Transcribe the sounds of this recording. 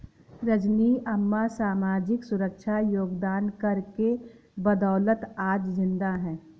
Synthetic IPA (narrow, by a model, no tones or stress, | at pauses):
ɾəd͡ʒniːʔɐmːasaːmaːd͡ʒɪksʊɾəkʃʰajoːɡd̪aːnkɐɾke | bɐd̪ɔːlət̪aːd͡ʒzɪ̃nd̪aɦɛ̃ː